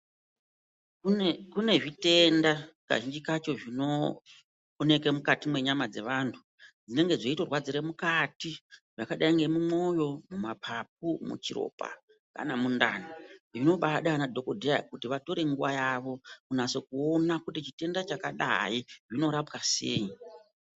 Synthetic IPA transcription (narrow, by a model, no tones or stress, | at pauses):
ukune̞ʐite̞ndaka̰ʒiɲd͡ʒikat͡ʃo̞ʐino̞ː | ne̞ke̞mukatimwe̞ɲamad͡ze̞ʋaːntʰu | d͡zine̞ŋɡe̞ʐe̞ito̞rwad͡ziɾemukatiʐakaɗaiŋɡe̞mumo̞jo̞mumapʰap̚umṵt͡ʃiɾo̞̰pa̰ | ka̰namunda̰niʐino̞ɓaɗanadʱo̞kodʱea̰kutiʋato̞ɾe̞ŋɡuʋajaʋo̞kunase̞kuo̞nakutit͡ʃite̞ndat͡ʃakaɗa̰iʐino̞ɾapkase̞̰ːi